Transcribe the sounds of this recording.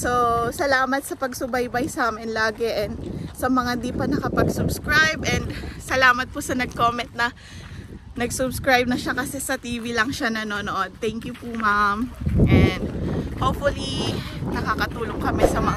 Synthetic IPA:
sosɐlaːmɐt̪̚sɐpɐɡsʊbajbajsaːmɪnlaːɡɛʔɛnd̪sɐmɐŋad̪ipɐnɐkɐpɐɡsʊbskɹajbʔɛnd̪sɐlaːmɐt̪̚pʊsɐnɐɡ̚koːmɛnt̪̚nɐ | nɐɡsʊbskɹajb̚nɐʃakɐsɛsɐt̪iːvilɐŋʃanɐno̞noʔo̞d̪̚t̪ɛŋkjʊpumamʔɛnd̪̚hoːpfʊlinɐkakɐt̪uːloŋkɐmɛsɐmɐŋ

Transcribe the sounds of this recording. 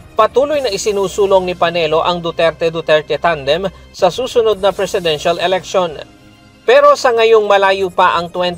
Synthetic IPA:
pɐt̪uːlojnɐʔɪsɪnuːsuːlo̞ŋnɪpɐnɛlo̞ʔɐŋd̪ʊt̪ɛɾt̪ɛd̪ʊt̪ɛɹt̪ɛt̪and̪ɛmsɐsuːsʊnod̪̚nɐpɾɛsɪd̪ɛnʃɐlɛlɛkʃon | pɛɾo̞sɐŋɐjoŋmɐlaːjupɐʔɐŋt̪wɛn

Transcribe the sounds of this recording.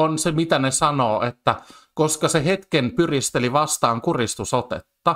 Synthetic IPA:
onsemit̪ænesɑnoːʔet̪ːæ | koskɑseɦet̪kenpyrist̪eliʋɑst̪ɑːŋkurist̪usot̪ḛt̪ːɑ

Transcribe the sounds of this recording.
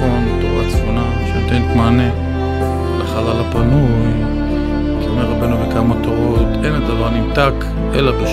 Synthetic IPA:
onbt̪oʁat͡sfona | ʃenot̪ejntmaːne | leχalalapanuj | kiomeʁabenuvekamat̪oʁot̪enled̪avaʁnimtak | ʔḛlabeʃ

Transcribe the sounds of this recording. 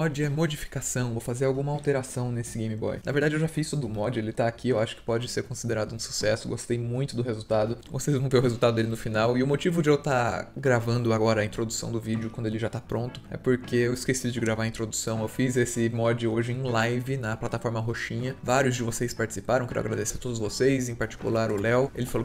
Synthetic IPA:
mɔd͡ʒɪɛmod͡ʒifi̥kasɐ̃w̃vowfazeɾawɡũmɐawt̪eɾasɐ̃w̃nesɪɡẽj̃mibɔ̰jnɐveɾd̪ad͡ʒɪewʒafisʊd̪ʊmɔd͡ʒɪelɪt̪aːkʰiewaʃʊ̥kɪ̥pɔd͡ʒɪseɾkõsid̪eɾad̪ʊũsu̥sɛsʊɡost̪ejmũj̃t̪ʊd̪ʊhezuwt̪ad̪ʊvosejzvɐ̃w̃veɾʊhezuwt̪ad̪ʊd̪elɪnʊfinawɪʊmot͡ʃivʊd͡ʒɪewt̪aɡɾavɐ̃nd̪ʊaɡɔɾɐĩt̪ɾod̪usɐ̰̃w̃d̪ʊvid͡ʒɪʊkwɐ̃nd̪ʊelɪʒat̪apɾõnt̪ʊ̥ɛ̰poɾkeewɪskesid̪ʊd͡ʒɪɡɾavaɾɐĩt̪ɾod̪usɐ̃w̃ewfizesɪmɔd͡ʒɪoʒɪẽlajvɪnɐplat̪afɔɾmɐɦoʃĩɲɐvaɾjʊzd͡ʒɪvosejspaɾt͡ʃɪ̥si̥paɾɐ̃w̃kɛɾʊ̰aɡɾad̪eseɾt̪od̪ʊzvosejzẽpaɾt͡ʃi̥kṵlaɾʊlɛwelɪfalo

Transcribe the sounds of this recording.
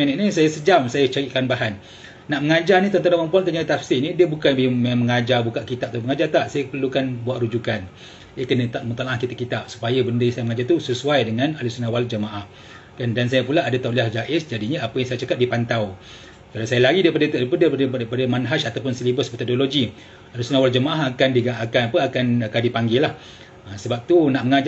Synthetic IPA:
enɛʔnisajasəd͡ʒamsajət͡ʃaɾiʔkanbaɦanː | aʔməŋad͡ʒarnit̪ənt̪aɾaməmpuant̪aɲait̪afsinidiəbukanbmməŋad͡ʒarbukaʔkit̪ap̪̚aməŋad͡ʒart̪aʔsajəpərlukanbuatʔɾud͡ʒukan | ʔekənət̪aʔmət̪alãŋahkit̪aʔkːit̪ap̚su̥pajəbəndəsajəməŋad͡ʒart̪usəsuajdəŋanalisunawald͡ʒəmaʔah | kandansajəpulaːdət̪auwʔliahd͡ʒaʔɪsd͡ʒadiɲəapəjaŋsajat͡ʃakap̪̚dipant̪aw | kalawsajəlaɡidaipadət̪ipadadpadəmanɦaʃat̪awpʊnsəlibəsmət̪odoloɡi | alusunawald͡ʒəmaʔaɦakandiɡaakanapəakankadipaŋɡilah | asəbap̚t̪unaʔməŋa

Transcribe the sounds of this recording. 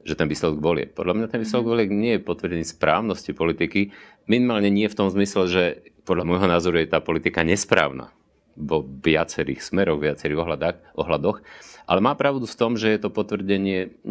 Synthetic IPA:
ʒ̥ɛt̪ɛnʋiːslɛd̪ɔɡʋɔlɪɛ̰k̚pɔd̪ʎamɲat̪ɛnʋiːslɛd̪ɔɡʋɔlɪɛɡɲɪɛjɛpɔt̪ʋr̩ɟɛɲɪɛspɾa̰ːʊnɔscipɔlit̪iki | minimaːlɲɛɲɪɛft̪ɔmzmislɛʒɛpɔd̪ʎamɔjɦɔnaːzɔɾujɛt̪aːpɔlit̪ikaɲɛspɾa̰ːʊna̰ | ʋɔʋɪat͡sɛɾḭːxsmɛɾɔɣʋɪat͡sɛɾiːɣɔɦlad̪aːxʔɔɦlad̪ɔxʔa̰lɛmaːpɾaʊd̪uft̪ɔmʒɛjɛt̪ɔpɔt̪ʋr̩ɟɛɲɪɛ

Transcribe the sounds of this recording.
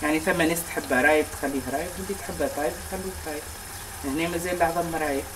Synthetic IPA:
jaʕnifæmːæneːst̪ħɪbːɾˤɑːjb̚t̪xælːiːɦɾˤɑːjʕɪnd̪it̪ħəbːæt̪ˤɑːjbt̪xælːukɾˤɑːj | ʔəhnemæzelːɑʕðˤɑmːɾˤɑːja

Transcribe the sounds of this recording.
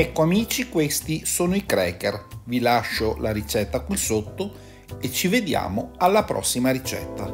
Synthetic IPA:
ɛkːoamiːt͡ʃikwest̪isoːnoikɾɛːkervilaʃːolaɾit͡ʃɛt̪ːakwisot̪ːo | et͡ʃːived̪ja̰ːmoalːapɾɔ̰sːimaɾit͡ʃɛ̰t̪ːa

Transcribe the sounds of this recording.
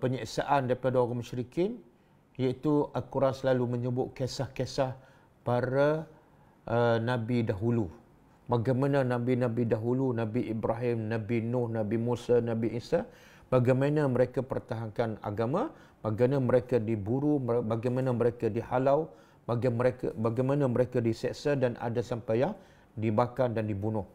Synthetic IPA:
pəɲiksa̰ʔandaɾipadaoɾaməʃɾikɪn | jait̪ualkuɾansəlalumə̃ɲəbʊt̪̚kesahkesah | paɾa | ʔənãbidaɦulu | baɡajmãnãnãbinãbidaɦulunãbiʔibɾaɦɪmnãbinʊhnãbimusanãbiʔisaʔ | b̥aɡajmanãməɾekapərt̪aɦaŋkana̰ɡamã | baɡanaməɾekadibuɾubaɡajmãnaməɾekadihalaw | baɡaməɾekabaɡajmãnãməɾekadisɛʔsadana̰dasampajaŋ | dibakandandibunʊh

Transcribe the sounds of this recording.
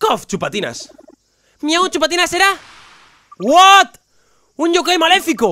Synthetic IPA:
koft͡ʃupat̪ina̰s | miaot͡ʃupat̪inaseɾa | wat̪ | uɲʎokejmalefiko

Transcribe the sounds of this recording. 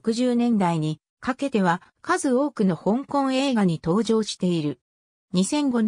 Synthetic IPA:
kɯ̟ʑɨːnẽ̞nd̪aiɲ̟i | kake̞t̪e̞β̞akazɨo̞ːkɯ̟no̞hõ̞ŋkõ̞ɰ̃e̞ːɡaɲ̟it̪o̞ːʑo̞ːɕi̥t̪e̞iɾɯ̟ | ɲ̟isẽ̞ŋɡo̞

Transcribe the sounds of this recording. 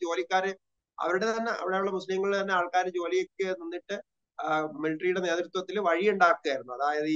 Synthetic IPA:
t͡ɕo̞ːlikʲːaːɾɨ | ɐ̰ʋɐɾuɽet̪ɐnːe̞ʔɐ̰ʋiɽejuɭːɐmuslɐjɐŋːɐɭilt̪ɐnːe̞aːɭkaːɾɨd͡ʑo̞ːlijo̞kːenunːiʈːɨ | miliʈrijuɽe̞ne̞ːt̪ɾut̪wɐt̪ːilʋɐɻijuɳɖaːkːɨɣaːjiɾunːuɐðaːjɐðɨ

